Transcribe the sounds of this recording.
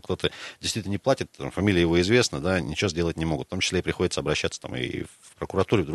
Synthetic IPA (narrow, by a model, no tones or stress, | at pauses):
kt̪o̞t̪ədʲɪst̪vit̪ʲnənʲɪplˠatʲɪt̪ːa̰mfɐmʲilʲɪəjɪvo̞ɪzvʲe̞snəd̪anʲɪ̰t͡ɕɪvozʲdʲe̞lˠətʲnʲɪmo̞ɡʊt̪ft̪omt͡ɕɪslʲeɪpɾʲɪxo̞dʲɪt̪səɐbɾɐɕːat̪sə̥t̪a̰mɨ̰f | pɾəkʊɾɐt̪uɾʲɪvd̪